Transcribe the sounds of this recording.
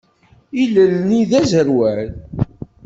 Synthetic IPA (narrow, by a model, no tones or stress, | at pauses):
iləlniðæzəɾwæɾ